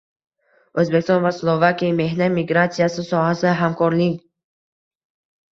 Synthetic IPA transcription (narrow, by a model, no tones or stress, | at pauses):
ɵzbekʲɪst̪ɔnvaslˠovakʲijame̞hnat̪miɡɾat̪sijasɪsɒɦasɪɦamkʰɒɾlɪkʲ